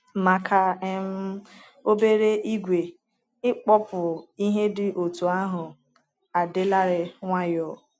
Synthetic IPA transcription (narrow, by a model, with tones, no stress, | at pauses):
ma˨kʰa˨e˦m̩˦ | o˦be˦ɾe˦ʔi˦ɡʷe˨ | ɪ˦k͡pɔ˦pʊ˨i˦ɦe˦dɪ˨ʔo˨tu˨a˦ɦʊ˨ | a˨dɪ˦la˦ɾɪ˨ŋʷa˦jɔ˨